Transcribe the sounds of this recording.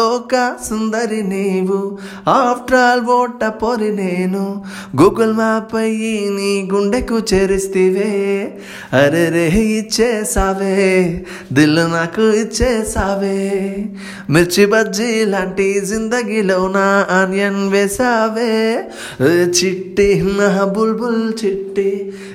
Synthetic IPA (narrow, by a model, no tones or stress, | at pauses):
lɔːkɐsund̪ɐɾiniːʋu | aːpʰʈɾaːlʋoːʈːɐpoɾineːnu | ɡuːɡɐlmaːpɐjiniːɡuɳɖekut͡ʃeːɾist̪iːʋe | ɐɾeɾeɦit͡ʃːeːsaːʋe | d̪ilunakuit͡ʃːesaːʋe | miɾt͡ʃibɐd͡ʒilaːɳʈizind̪ɐɡilɐwnaanjɐnʋeːsaːʋe | t͡ʃiʈːiɦnaɦɐbulbult͡ʃiʈːi